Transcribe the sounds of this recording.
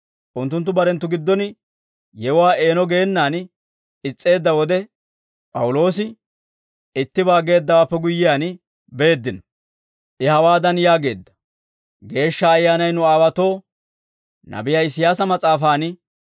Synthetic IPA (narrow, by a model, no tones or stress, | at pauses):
ʔʊnt̪ːʊnt̪ːʊbɐɾɛnt̪ːʊɡɪd̪ːɔn | jɛwaːʔe̞ːnɔɡe̞ːnːaːn | ɪt͡sʼːe̞ːd̪ːɐwɔd̪ɛ | pʼɐwʊlo̞ːsɪ | ɪt̪ːɪbaːɡe̞ːd̪ːɐwaːpːɛɡʊjːɪjaːn | be̞ːd̪ːɪnɔ | ʔɪhɐwaːd̪ɐnjaːɡe̞̰ːd̪ːɐ̥ | ɡe̞ːʃːɐːjːaːnɐjnʊaːwɐt̪o̞ː | nɐ̰bɪjaːɪsɪjaːsɐmɐt͡sʼaːfaːn